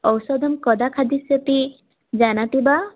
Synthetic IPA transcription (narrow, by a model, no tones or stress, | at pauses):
ɔwsɔd̪ʱɔmkɔd̪akʰad̪isɔt̪i | d͡ʒanat̪iba